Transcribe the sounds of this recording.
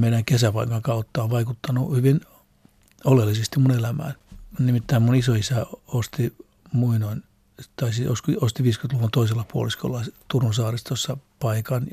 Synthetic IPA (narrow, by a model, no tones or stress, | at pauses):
meiɾæŋkesæpɑikɑŋkɑut̪ːɑoʋʋɑikut̪ːɑnuhyʋin | olelːisest̪imunelæmæ̰ːnnnimit̪ːæimmunisoisæost̪i | muinoin | t̪ɑisio̰skost̪iʋiːskymt̪lukunt̪oiselːɑpuo̰lisko̰lːɑt̪urunsɑːrist̪osːɑpɑikɑn